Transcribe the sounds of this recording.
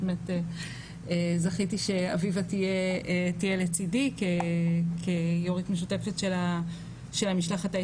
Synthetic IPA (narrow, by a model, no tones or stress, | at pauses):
mete | ezaχitiʃe̞a̰vivatijeetijelet͡sidikekʰejoʁitmeʃ̬ute̞fetʃela | ʃelamiʃlaχata